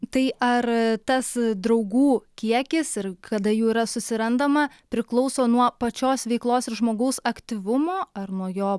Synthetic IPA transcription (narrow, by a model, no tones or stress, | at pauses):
t̪ɐɪʔɐrt̪ɐsd̪ɾɐʊɡuːkʲiɛkʲɪsɪɾkɐd̪ɐjuːiːɾɐsʊsʲɪɾɐnd̪ɐmɐ | pʲɾʲɪklˠɒʊsoːnuɔpɐt͡ʃʲoːsʋʲɛɪklˠoːsɪɾʒmoːɡɐʊsɐkt̪ʲiʋʊmoːɐrnuɔjoː